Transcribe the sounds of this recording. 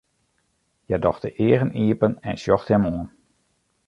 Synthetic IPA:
jɛdɔxtəʔɪəɣəniəpənɛnsjɔxthɛmoən

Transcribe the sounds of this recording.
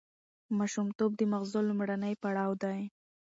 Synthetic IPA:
mɑʃumt̪ob̚d̪əmaɣzolʊmɽanəjpaɽɑwd̪aj

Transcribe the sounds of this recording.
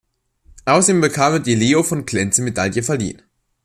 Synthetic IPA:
ʔaʊsɐdeːmbəkʰaːmɛdileːofɔnkl̥ɛnt͡səmedaljəfɛɐlḭːən

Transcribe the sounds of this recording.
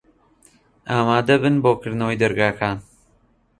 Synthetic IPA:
ʔaːmaːd̪ɐbɨnboːkɨɾd̪nɐwejd̪ɐɾɡaːkʰaːn

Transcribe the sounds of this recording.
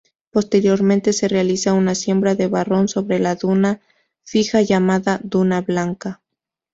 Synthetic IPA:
po̞st̪e̞ɾjo̞ɾmẽ̞nt̪e̞se̞re̞alisaunasje̞mbɾaðe̞βaro̞nso̞βɾe̞laðuna | fixaʝamaðaðunaβlaŋka

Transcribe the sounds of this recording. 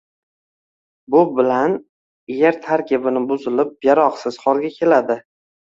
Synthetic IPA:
bʊbɪlan | jeɾt̪ʰaɾkʲɪbɪnɪbʊzɪlɪp̚jaɾɒqsɪz̥χɒɾɡʲakʲʰe̞lad̪ɪ

